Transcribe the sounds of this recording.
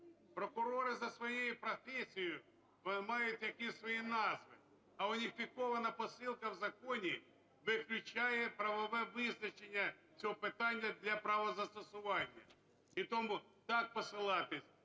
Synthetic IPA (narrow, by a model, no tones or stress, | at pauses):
pɾɔkʊɾɔɾɪzɐsʋɔjejʊpɾɔfʲɛsʲijʊ | mɑjʊtʲjɐkisʋɔjinɑzʋɪ̰ | ɐʊnʲifʲikɔʋɐnɐpɔsɪlˠkɐwzɐkɔnʲi | ʋɪklʲʊt͡ʃajɛpɾɐʋɔʋɛʋɪznɐt͡ʃenʲːɐt͡sʲɔɦɔpɪt̪ɑnʲːɐd̪lʲɐpɾɐʋɔzɐst̪ɔsʊʋɑnʲːɐ̰ | it̪ɔmut̪ɑk̚pɔsɪlˠɑt̪ɪsʲ